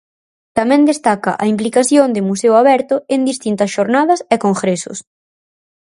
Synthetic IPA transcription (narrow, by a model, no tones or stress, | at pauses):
t̪amɛ̃nd̪est̪akɐʔɐimplikaθjond̪ɪmuseʊaβɛɾt̪ʊend̪ist̪int̪ɐsʃoɾnaðɐsekoŋxɾesʊ̰s